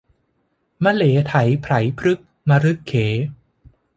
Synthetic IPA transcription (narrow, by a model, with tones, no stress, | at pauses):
ma˧leː˩˦t̪ʰa˩˦jpʰɾa˩˦jpʰɾɯ˦˥k̚ | ma˧ɾɯ˦˥kʰːeː˩˦